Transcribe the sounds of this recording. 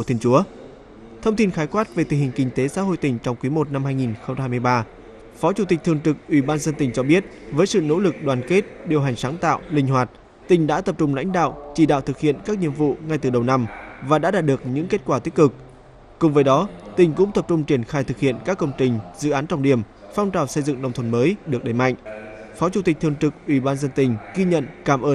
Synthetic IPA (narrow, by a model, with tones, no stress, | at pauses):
u˧˩t̪ʰi˧ənt͡ɕu˨˦ə | t̪ʰə˧wŋ͡mt̪ʰi˧nxaː˨˦jkwaː˦˥t̚ve˨˩t̪ʰi˨˩hï˨˩ŋ̟kï˧ŋ̟t̪e˨˦sa̰ː˧˥ɦo̰˧˨jt̪ï˨˩ŋ̟t͡ɕɔ˧wŋ͡mkwi˨˦mo˨˩t̚na˧mhaː˧jŋi˨˩nxə˧ŋ͡mt͡ɕːaː˧jm˧jɓaː˧ | fɔ˨˦t͡ɕu˧˩t̪i˨˩k̚t̪ɨ˨˩əŋt͡ɕ̪ɨ˨˩k̚ʔwi˧˩ɓaː˧nzə˧nt̪ï˨˩ŋ̟t͡ɕɔ˧ɓi˦˥ət̚ | vəː˨˦jsɨ̰˧˨no̰˧˥lɨ˨˩k̚ɗwaː˨˩nke˦˥t̚ɗi˨˩əwɦa˨˩ŋ̟saː˨˦ŋt̪a̰ː˧˨wlï˧ŋ̟ɦwaː˨˩t̚ | t̪ï˨˩ŋ̟ɗa̰ː˧˥t̪ə˨˩p̚t͡ɕʊ˧ŋ͡mla̰˧˥jŋ̟ɗa̰ː˧˨wt͡ɕi˧˩ɗa̰ː˧˨wt̪ʰɨ˨˩k̚hḭ˧˨ənkaː˦˥k̚nḭ˧˨əmvṵ˧˨ŋa˧jt̪ɨ˨˩ɗə˨˩wna˧mvaː˨˩ɗa̰ː˧˥ɗaː˨˩ɗɨ˨˩ək̚ɲɨ̰˧˥ŋke˦˥t̚kwaː˧˩t̪i˦˥kɨ˨˩k̚ | kʊ̰˨˩ŋ͡mvəː˨˦jɗɔ˨˦t̪ï˨˩ŋ̟kʊ̰˧˥ŋ͡mt̪ə˨˩p̚t͡ɕʊ˧ŋ͡mt͡ɕi˧˩ənxaː˧jt̪ʰɨ˨˩k̚hḭ˧˨ənkaː˦˥kːə˧wŋ͡mt͡ɕï˨˩ŋ̟zɨ̰˧˨ʔaː˨˦nt͡ɕɔ˧wŋ͡mɗi˧˩əm | fa˧wŋ͡mt͡ɕaː˨˩wsə˧jzɨ̰˧˨ŋnə˧wŋ͡mt̪ʰwə˧˩nməː˨˦jɗɨ˨˩ək̚ɗə˨˧˩jma̰˧˨jŋ̟fɔ˨˦t͡ɕu˨˧˩t̪i˨˩k̟̚t̪ʰəŋt͡ɕ̪ɨ˨˩k̚ʔwi˧˩ɓaː˧nzə˧nt̪ï˨˩ŋ̟ɣi˧ɲə̰˧˨nkaː˧˩mʔəː˧n